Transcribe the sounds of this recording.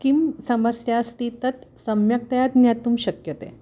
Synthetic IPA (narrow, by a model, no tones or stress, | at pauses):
kimsɐməsjaːst̪it̪ət̪səmjak̚t̪jat̪njat̪umɕəkjət̪ḛ